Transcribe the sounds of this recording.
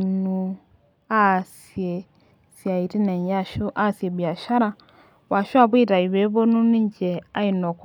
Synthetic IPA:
nu˨ | a˦˨s | i˨e˨ | si˨a˨i˨ɾi˦ne˨ɲ˨ja˦ʃu˦ʔa˦si˨e˨βja˨ʃa˦ɾa˨ | wa˨ʃu˦a˦˨βi˦˨ɾa˨i˨βe˦βo˦nu˦ni˦ɲɟe˨a˦i˨no˨k

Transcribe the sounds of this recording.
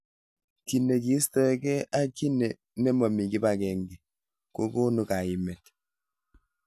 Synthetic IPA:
ki˨ne˨ki˨˦stɔ˦ɛ˨kɛ˦ʔa˦ki˦nɛ˨ | nɛ˦mɔ˨mi˨ki˦ba˦˨kɛ˨ŋɡi˨ | ko˦ko˦nu˨ka˨i˨mɛ˨t

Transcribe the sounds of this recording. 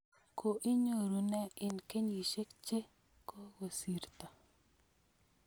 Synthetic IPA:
kʰo˨ʔi˦ɲo˦˨ɾu˨nɛ˦ɪ˨nke˦ɲi˨ʃe˦kt͡ʃe˦ | ko˦wo˨si˨ɾt̪a˨

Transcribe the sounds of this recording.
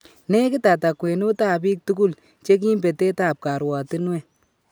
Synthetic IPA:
ne˦kɪ˦ta˨ta˨kwe˨nu˦taː˦˨b̬iː˦k̚tu˦ku˦l | t͡ʃe˦k̬i˦mpe˨teː˦taː˦˨p̚ka˨ɾwa˨tɪ˦nwɛ˦˨

